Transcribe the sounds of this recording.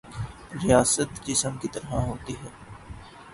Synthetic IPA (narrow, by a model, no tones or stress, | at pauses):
ɾijaːsət̪d͡ʒɪsəmkit̪ɐɾɦaɦoːt̪iɦɛː